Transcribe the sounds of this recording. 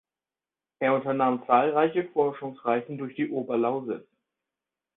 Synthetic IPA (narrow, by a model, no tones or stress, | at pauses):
ʔeːɐʊntɐnaːmt͡saːlʁaɪçəfɔɐʃʊŋsʁaɪzn̩dʊɐçd̥iːʔoːbɐlaʊzɪt͡s